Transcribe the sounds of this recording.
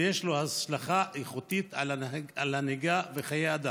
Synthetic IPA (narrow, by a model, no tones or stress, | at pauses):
jeʃlohaʃlaχaʔeχut̪it̪aalaniɡaveχajead̪a